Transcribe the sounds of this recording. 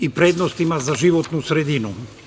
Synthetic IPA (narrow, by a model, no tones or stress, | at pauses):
ipɾeːd̪nost̪imazaʒiʋot̪nusɾed̪inu